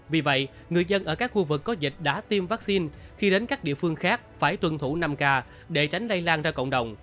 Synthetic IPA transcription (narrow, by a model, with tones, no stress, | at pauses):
vi˨˩və̰˧˨jʔ | ŋɨ˨˩əjzə˧nʔəː˧˩kaː˦˥k̚xu˧vɨ˨˩kːɔ˨˦zï˨˩k̟̚ɗa̰ː˧˥t̪i˧mvaː˦˥k̚si˧nxi˧ɗe˨˦nkaː˦˥k̚ɗḭ˧˨əfɨ˧əŋxaː˦˥k̚faː˧˩jt̪wə˧˩nt̪ʰu˧˩na˧mkaː˧ | ɗe˧˩t͡ɕa˨˦jŋ̟lə˧jlaː˧nzaː˧kə̰˧˨wŋ͡mɗə˨˩wŋ͡m